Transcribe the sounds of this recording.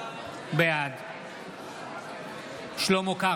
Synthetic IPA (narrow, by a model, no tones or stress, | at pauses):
bead̪ | ʃlomoka